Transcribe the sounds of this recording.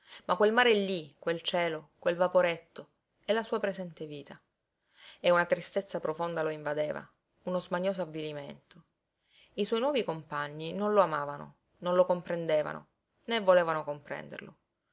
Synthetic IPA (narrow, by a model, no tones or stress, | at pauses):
makwelmaːɾelːikwelt͡ʃɛːlokwelvapoɾet̪ːo | ɛlːasuːapɾezɛnt̪eviːt̪a | eunat̪ɾist̪et̪sːapɾofond̪aloiɱvad̪eːva̰ | unozmaɲːoːzoavːilimḛnt̪o | iswɔjnwɔːvikompaɲːinõnloamaːvano̰ | nõnlokompɾend̪eːva̰no̰ | nevːoleːvanokompɾɛ̰nd̪ḛrlo̰